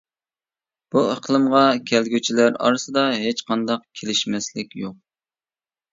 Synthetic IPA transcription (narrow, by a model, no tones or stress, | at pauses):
b̥uəqlˠəmʁɑkʲʰɛlɡʲyt͡ʃʰilæɾɑ̰ɾɨsɨd̪ɑɦet͡ʃqɑnd̪ɑqkʲʰelɪʃmɛslɪkʲjoq̚